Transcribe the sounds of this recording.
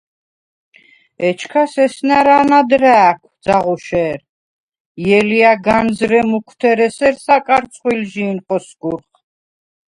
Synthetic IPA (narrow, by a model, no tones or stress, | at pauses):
ɛt͡ʃʰkʰasɛsnaɾanad̪ɾɛːkʰwd̪zaʁuʃɛːɾ | jɛliaɡanzɾɛmukʰwt̪ʰɛɾɛsɛɾsakʼaɾt̪sʰʼχwilʒiːnqʼɔsɡ̥uɾχ